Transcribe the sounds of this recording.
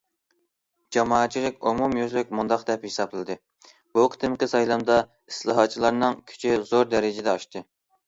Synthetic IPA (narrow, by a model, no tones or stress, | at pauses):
d͡ʒɑmɑːɑt̪̚t͡ʃʰilɪkʲumumjøzlyk̚ʲmund̪ɑqd̪ɛphesɑblˠɨlɨd̪ɨ | b̥uqʰɨ̥t̪ʰɨmqəsɑjlˠɑmd̪ɑ | islˠɑɦɑt̪̚t͡ʃʰːilˠɑɾnɨŋkʲʰy̥t͡ʃʰizoɾd̪ɛɾɪd͡ʒɪd̪ɛɑʃt̪ɨ